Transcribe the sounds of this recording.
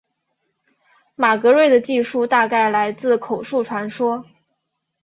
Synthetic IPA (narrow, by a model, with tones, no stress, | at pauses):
ma˨˩kɤ˧˥ɻwe˥˩ɪd̪ə˩t͡ɕi˥˧ʂu˥˧t̪a˥˧ka˥˩ɪla˧˥ɪt͡sɹ̩˥˩kʰo˨˩ʊʂu˥˩ʈ͡ʂʰwa˧˥nʂwɔ˥